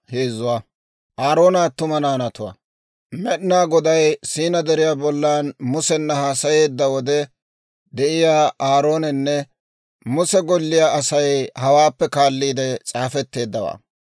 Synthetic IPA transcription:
he̞ːzʊwaː | ʔaːɾo̞ːnat̪ʊmɐnaːnɐt̪ʊwa̰ː | mɛɗnaːɡɔd̪ɐjsiːnɐd̪ɛɾɪjaːbɔlːaːnmʊsɛnːɐhaːsɐje̞ːd̪ːɐwɔd̪ɛ | d̪ɛʔɪjaːʔaːɾo̞ːnɛnːɛ | mʊsɛɡɔlːɪjaːʔɐsɐjhɐwaːpːɛkaːlːiːd̪ɛt͡sʼaːfɛt̪ːe̞ːd̪ːɐwa̰ː

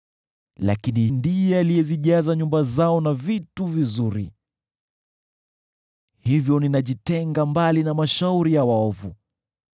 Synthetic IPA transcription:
la̰kinihindijɛalijɛziʄazaɲumbazaɔnavituvizuɾḭ | hivjɔninaʄitɛŋɡambalinamaʃauɾijawaɔvu

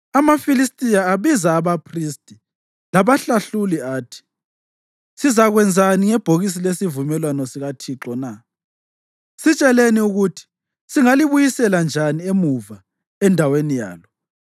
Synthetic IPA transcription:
amafilistʼijaːβizaːβapʰristʼi | laβaɬaɬuliaːtʰi̥ | sizaɣwɛnd͡zʱaniŋɛb̥ʱoɣis̬ilesivumɛlwanɔsiɣatʰiǁɔna | sit͡ʃʼɛleniuɣutʰi̥ | siŋaliβujisɛland͡ʒʱaniemuva | ɛndʱawenija̰ːlɔ

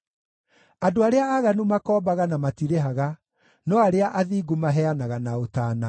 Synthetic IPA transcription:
adoaɾeaːɣanumakɔːbaɣanamatiɾeɦaɣa | nɔaɾeaʔaðiːɡumaɦɛanaɣanaotaːna

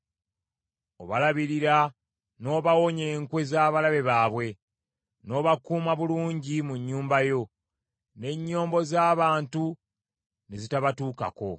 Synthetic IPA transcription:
oβalaβiɾiɾa | no̞ːβawo̞ɲe̞ːŋkwe̞zaːβalaβe̞βaːβwe̞ | no̞ːβakuːmaβuluːɲɟimuɲːuːmbajo̞ | ne̞ɲːo̞ːmbo̞zaːβaːntu | ne̞zitaβatuːka̰ko̞̰

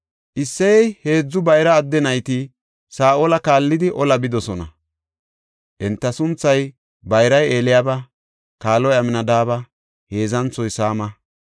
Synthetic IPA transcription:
ʔɪsːɛjɛjhe̞ːd͡zːʊbɐjɾɐːd̪ːɛnɐjt̪ɪ | saːʔolɐkaːlːɪd̪ɪʔɔlɐbɪd̪ɔsɔnɐ̰ | ʔɛnt̪ːɐsʊnt͡sːɐj | bɐjɾɐje̞ːlɪjaːbɐ | kaːlɔjɐmɪnɐd̪aːbɐ | he̞ːzɐnt͡sːɔjsaːmɐ

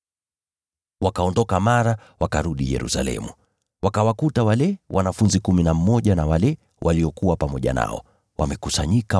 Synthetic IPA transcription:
wakaɔndɔkamaɾa | wakaɾuɗijɛ̰ɾṵsa̰lɛ̰mu | wakawakutawalɛwʔanafunzikuminam̩mɔʄanawalɛ | wʔaliɔkuwapamɔʄa̰na̰ɔ̰ | wa̰mɛkusaɲika

